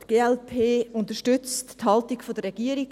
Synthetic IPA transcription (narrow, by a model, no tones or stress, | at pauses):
tɡ̥eːɛlpʰeːʊntəʃtʏt͡stthɑltiɡfodəɾʁɛɡ̥iəɾiɡ